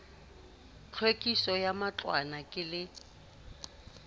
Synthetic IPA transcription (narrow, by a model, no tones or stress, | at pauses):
t͡ɬʰwekʼisɔjamat͡ɬʼwa̰nakʼɪlɪ